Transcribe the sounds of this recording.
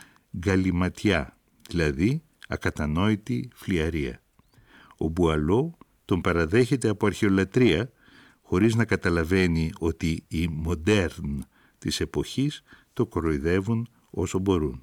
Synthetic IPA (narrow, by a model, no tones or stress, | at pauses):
ɡɐlimɐt̪çɐ | ðilɐði | ɐkɐt̪ɐno̞it̪ifliɐɾiɐ̰ | o̞̰buɐlo̞ | t̪o̞mpɐɾɐðe̞çe̞t̪e̞ɐpo̞ɐɾçe̞o̞lɐt̪ɾiɐ | xo̞ɾiznɐkɐt̪ɐlɐve̞nio̞t̪iːmo̞d̪e̞ɾn | t̪ise̞po̞çist̪o̞kɾo̞iðe̞vun | o̞̰so̞bo̞ɾun